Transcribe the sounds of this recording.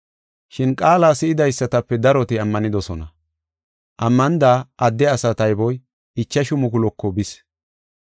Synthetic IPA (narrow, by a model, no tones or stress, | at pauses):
ʃɪnkʼaːlaːsɪɪd̪ɐjsːɐt̪ɐpːɛd̪ɐɾɔt̪ɪɐmːɐnɪd̪ɔsɔnɐ | ʔɐmːɐnd̪aːʔɐd̪ːɛɐsɐt̪ɐjbɔj | ɪt͡ʃːɐʃʊmʊkʊlɔkːɔbɪs